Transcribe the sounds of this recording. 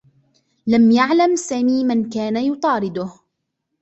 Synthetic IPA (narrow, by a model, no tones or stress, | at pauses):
lamjaʕlamsaːmiːmankaːnajʊt̪ˤɑːɾɪd̪ʊh